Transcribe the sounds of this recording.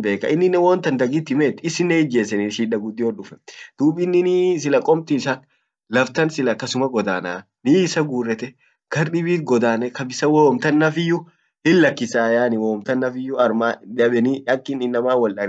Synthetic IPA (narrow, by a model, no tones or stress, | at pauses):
be̞ːkːɐ̰ʔɪnːɪnɛwɔnt̪ɐnd̪ɐɡit̪ːɪmeːt̪ːɪsɪnːɛɪd͡ʒe̞ːsːɛnɪʃiːᶑɐɡʊd̪ːɪɔᶑʊfɛd̪̥uːbɪnːɪnis̬ɪlɐkʼɔmt̪ɪsɐk | lɐft̪ɐnsɪlɐkɐsʊmɐɡɔd̪aːnaː | niːɪsɐɡuːrːɛt̪ɛ | ɡ̥ɐɾɗɪbiːt̪̚ɡɔd̪aːnɛkɐbɪsɐwoːmt̪ɐnːɐfɪjʊ | hɪlːɐkːɪsaːjaːnɪwoːmt̪ɐnːɐfɪjːʊɐɾmaːd̪ɐbɛnɪɐkːɪnːɪnːɐmaːwɐlɐɾ